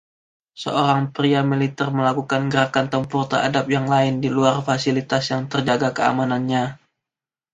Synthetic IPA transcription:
sə̰oɾaŋpɾiamilit̪ɛrməlakukanɡəɾakant̪əmpʊrt̪əra̰dap̚jaŋlaɪndiluarfasilit̪asjaŋt̪ərd͡ʒaɡakəa̰mananɲa

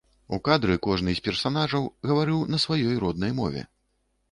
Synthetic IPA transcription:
ukad̪ɾɨkɔʐnɨzʲpʲɛrsanaʐɐwɣɐvaɾɨwnɐsvajɔjɾɔd̪̚nɐjmɔ̰vʲɛ̰

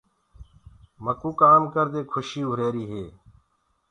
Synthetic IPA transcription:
məkuːkaːmkəɾd̪eːkʰʊʃiːɦʊɾeːɾiːɦeː

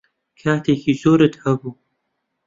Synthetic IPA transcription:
kʰaːt̪ʰeːkizoːɾət̪hɐbuː

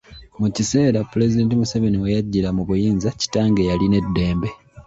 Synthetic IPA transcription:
mucise̞ːɾapule̞zide̞ːntimuseve̞niwejaɟːilamuβujiːnzaci̥taːŋɡejaline̞dːe̞ːmbe̞

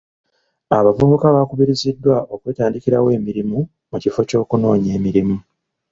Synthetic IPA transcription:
aβavuːbukaβakuβiɾizidːwaʔo̞kwe̞ːtaːndikiɾa̰we̞ːmiɾimu | mucifo̞co̞ːkuno̞ːɲe̞ːmiɾimu

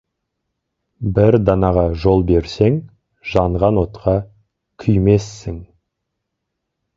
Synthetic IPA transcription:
bɪɾd̪ɑnɑʁɑʒo̞lˠbe̞ɾse̞ŋ | ʒ̥ɑɴʁɑnwo̞t̪qʰɑ | kʲʰʏjme̞sːɪŋ

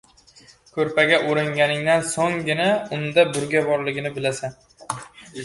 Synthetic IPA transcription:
kʰɵɾpʰaɡʲaʔʊɾɪŋɡʲanɪŋd̪ansoŋɡʲɪnaʊnd̪abʊɾɡʲabɒɾlɪɡʲɪnɪbɪlasan

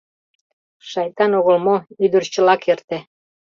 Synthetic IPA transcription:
ʃɑjt̪ɑnoɣə̆lmoyd̪ərt͡ɕə̆lɑkert̪ĕ

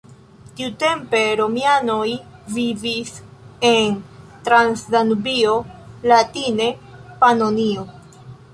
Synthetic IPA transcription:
tiute̞mpe̞ɾo̞miano̞jvivise̞ntɾansdanbio̞latine̞panonio̞

